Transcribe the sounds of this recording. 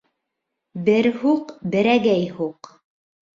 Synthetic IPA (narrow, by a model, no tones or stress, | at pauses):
bɘɾhuqbɘ̆ɾæɡæjhuq